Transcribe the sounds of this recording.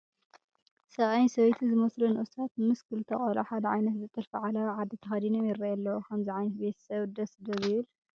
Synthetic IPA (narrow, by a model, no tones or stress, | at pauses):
sɐʔʼajnsɐβɐjt̪ʰizɨmɐslunɨʔɨsʰat̪mɨskʰɨlt̪ʰɐχʼɐlɐħad̪ɐʕa̰jnɐt̪zɨt̪ʼɨlfiʕalaʕad̪ɐt̪ʰɐxɐd̪inomjɪɾːɐjɐlːɐwukʰɐmziʕajnɐt̪be̞t̪ʰɐ̥sɐβd̪ɐsd̪ɐβɪβɨl